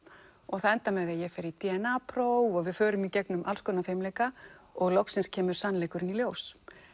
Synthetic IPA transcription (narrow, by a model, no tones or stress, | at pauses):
ɔɣθaðɛnt̪amɛðaðjɛfɛɾit̪iɛnaːpʰɾowɔɣvɪðfœːɾʏmicɛknʏmʔalskɔːnafemleːjkaɔɣlɔwksɪnscʰɛːmʏɾ̥sanːlɛjkʏɾɪniljoːws